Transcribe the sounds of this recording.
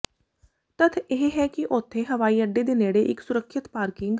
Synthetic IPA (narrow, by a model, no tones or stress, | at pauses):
t̪ət̪ʰeɦɦɛːkɪʔʊt̪ʰːẽːɦəʋaːiːəɖːeːd̪eːneːɽeːʔɪksʊɾəkʰʃɪt̪paːɾkɪŋɡ